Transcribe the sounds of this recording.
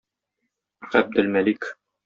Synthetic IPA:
ʁæb̚d̪ɘ̆lmælik

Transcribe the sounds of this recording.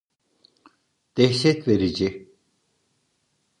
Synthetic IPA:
d̪̥ɛçʃɛt̪veɾid͡ʒi

